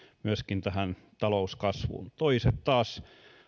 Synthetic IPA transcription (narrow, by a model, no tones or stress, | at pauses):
myøskint̪æhæn | t̪ɑlouskɑsʋṵnt̪oiset̪t̪ɑːs